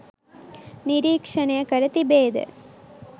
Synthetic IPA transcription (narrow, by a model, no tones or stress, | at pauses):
niɾiːkʂɐnɐjɐkɐɾɐt̪ibeːd̪ɐ̰